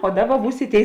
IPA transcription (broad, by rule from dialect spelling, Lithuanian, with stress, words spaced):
oː ˈdɑːˌbɐ ˈbuːs ɪ ˈtʲeːɪ